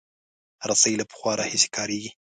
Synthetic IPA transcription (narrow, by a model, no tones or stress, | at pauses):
ɾasailapə̥xwɑɾʔɑhɪse̥kʰɑɾeɡi